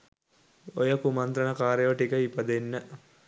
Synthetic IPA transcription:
ojəkumɐnt̪ɾəɳəkaːɾeʋəʈikəipəd̪enːə

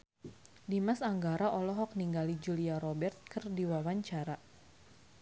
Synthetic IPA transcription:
dimasaŋɡaɾaʔɔlɔɦɔk̚niŋɡalid͡ʒuliaɾɔbɛrt̪̚kərdiwawaɲt͡ʃaɾa

